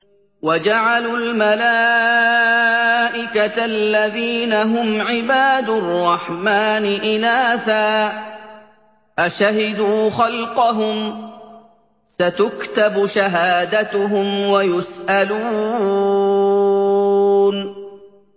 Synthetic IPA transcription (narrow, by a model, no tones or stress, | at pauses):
wad͡ʒaʕalulmalaː | ʔɪkatalːaðiːnaɦʊmʕɪbaːd̪ʊrˤːɑħmaːnɪʔɪnaːθaː | ʔaʃaɦɪd̪uːxɑlqɑɦʊm | sat̪ʊkt̪abʃaɦaːd̪at̪ʊɦʊmwajʊsʔaluː | n